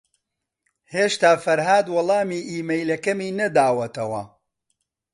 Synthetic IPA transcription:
heːʃt̪aːfɐɾɦaːd̪wɔlˠɑːmiːʔiːmɐjlɐkɐmiːnɐd̪aːwɐt̪ɐwɐ̰

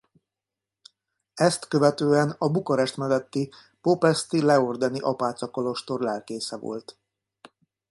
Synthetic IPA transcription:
ɛst̪køvɛt̪øːɛnɒbukɒɾɛʃt̪mɛd̪ɛt̪ːi | popɛst̪ilɛord̪ɛniʔɒpaːt̪sɒkolo̞ʃt̪o̞rlɛlkeːsɛvo̰lt̪

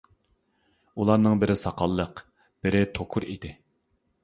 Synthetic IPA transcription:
ulˠɑɾnɨŋbɪɾɪsɑqʰɑlˠːəq | b̥ɪɾɪt̪ʰokʰʊɾḭd̪̥ɪ

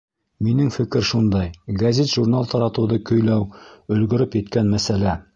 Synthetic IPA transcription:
minɘŋfɘ̆kɘɾʃund̪ɑjɡɐzʲet̪ʒurnalˠt̪ɑɾɑt̪ɤ̆wðɤkɵ̆jlæwɵ̆lɡɵ̆ɾɵpjɘ̆t̪kænmæsælæ

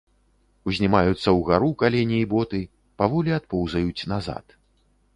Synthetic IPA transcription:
uzʲnʲimajut̪sːɐwɣaɾukalʲɛnʲiːbɔt̪ɨ | pavɔlʲiat̪̚pɔwzɐjut͡sʲnaza̰t̪

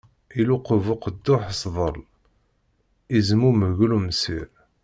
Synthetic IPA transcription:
iluqəvʊqəd̪ːʊħsðˤəl | izmuməɣlumsiɾ

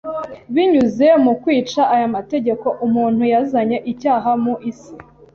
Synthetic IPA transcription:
βiɲuze̞mukwiːt͡ʃaʔajamate̞ɟe̞ko̞ʔumuːnhujazaɲe̞ʔicaːɦamuʔisi̥

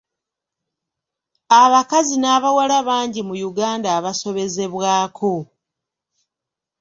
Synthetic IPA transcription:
aβakazinaːβawalaβaːɲɟimujuɡaːndaːβaso̞βe̞ze̞βwaːkʰo̞

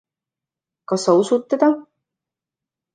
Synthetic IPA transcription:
kɑsːɑusut̪ːed̪ɑ

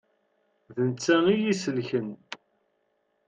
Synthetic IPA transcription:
ðənt͡sːæŋijisəlçən

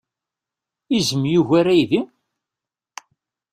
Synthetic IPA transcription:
izəmjuʝæɾæjðim

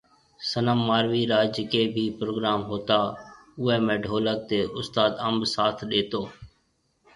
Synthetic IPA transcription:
sənəmːaːɾʋiːɾaːd͡ʒɪkeːbʱiːpɾoːɡɾaːmɦoːt̪aː | ʊɦɛːmẽːɖʱoːlək̚t̪eːʔʊst̪aːd̪əmbsaːt̪ʰɗeːt̪oː

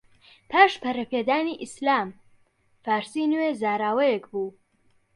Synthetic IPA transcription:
pʰaːʃpʰɐɾɐpʰeːd̪aːniʔislaːm | faːɾsinɨweːzaːɾaːwɐjɛkbuː

